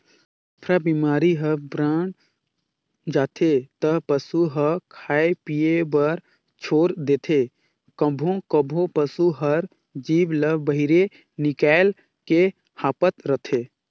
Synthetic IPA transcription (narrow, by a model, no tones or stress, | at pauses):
pʰɾabimaːɾiɦəbɾaːn | d͡ʒaːt̪ʰet̪əpəsuɦəkʰaːepijebəɾ | t͡ʃʰoːɾd̪eːt̪ʰe | kə̃bʱõkəbʱõpəsuɦəɾ | d͡ʒiːbləbəɦiɾe | nɪkaːl | ke | haːpət̪ɾət̪ʰe